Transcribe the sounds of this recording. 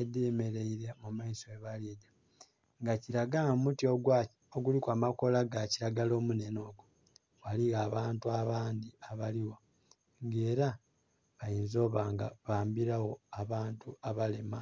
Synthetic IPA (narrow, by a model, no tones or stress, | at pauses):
ediːme̞ɾe̞iɾemumaisoeβaleɟa | ŋɡaciɾaɡamutio̞ɡwa | oɡulikwaːmako̞laɡaciɾaɡalo̞ːmune̞no̞ːɡo | waliɣaːβaːntuaβaːnd̪iaβaliwo̞ | ŋɡe̞ːɾa | βajiːnzo̞ːβaːŋɡa̰βaːmbiɾawo̞aβaːntuaβalema